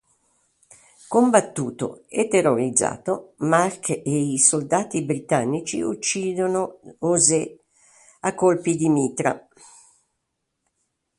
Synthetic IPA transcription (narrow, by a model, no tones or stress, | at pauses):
kombat̪ːṵːt̪o̰et̪ːeroɾid̪za̰ːt̪omarkeisold̪aːt̪ibɾit̪anːit͡ʃḭut͡ʃːiːd̪onooze | akːolpid̪imiːt̪ɾa̰